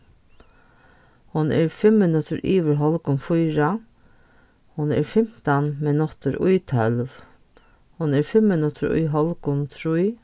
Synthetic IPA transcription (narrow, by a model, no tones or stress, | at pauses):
hʊnɛ̰ɾfɪmːɪnʊt̪ʰəɾʔiːʋəɾɦɔlkʊnfʊjɹa | hʊnɛ̰ɾfɪm̥t̪anmɛnɔt̪əɾʊjt̪ʰœlʋ | hʊnɛɾfɪmːɪnʊt̪ʰəɾʊ̰jɦɔlkʊnt̪ʰɾuj